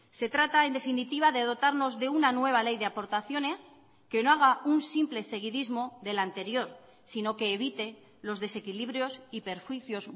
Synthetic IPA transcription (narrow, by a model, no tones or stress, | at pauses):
se̞t̪ɾat̪ae̞nd̪e̞finit̪iβ̞aðe̞ð̞o̞t̪aɾno̞zðe̞unanwe̞β̞ale̞jðe̞apo̞ɾt̪aθjo̞ne̞s | ke̞no̞aɣ̞aunsimple̞se̞ɣ̞iðizmo̞ðe̞lant̪e̞ɾjo̞ɾ | sino̞ke̞ːβ̞it̪e̞ | lo̞zðe̞se̞kiliβɾjo̞sipe̞ɾxwiθjo̞z